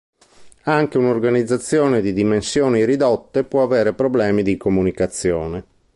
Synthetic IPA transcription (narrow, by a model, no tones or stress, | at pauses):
aŋk̟eunorɡanid̪zːat̪sːjɔːned̪id̪imensjɔːniɾid̪ɔt̪ːepwɔaveːɾepɾoblɛːmid̪ikomunikat̪sːjɔːne